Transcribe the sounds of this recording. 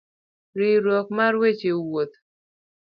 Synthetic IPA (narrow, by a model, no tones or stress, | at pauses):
ɾɪɾwɔk̚marwet͡ʃewot̪